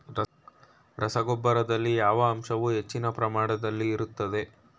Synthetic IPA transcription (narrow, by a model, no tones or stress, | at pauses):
ɾɐ | ɾɐsɐɡɔbːɐɾɐd̪ɐlːijaːʋɐːmʃɐʋuɦe̞t͡ʃːinɐpɾɐmaːɽɐd̪ɐlːiːɾut̪ːɐd̪e̞